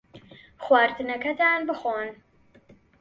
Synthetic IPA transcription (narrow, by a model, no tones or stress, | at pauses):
χwaːɾt̪ɨnɐkɐt̪ʰaːnbɨxoːn